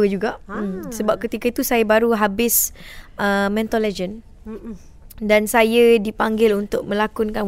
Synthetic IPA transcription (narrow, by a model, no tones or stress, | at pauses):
əd͡ʒuɡaʔsəbap̚kət̪ikait̪usajabaɾuɦabɪsʔəmɛ̃nt̪olɛd͡ʒən | dansajadipaŋɡɪlunt̪ʊk̚mə̃lakʊnkan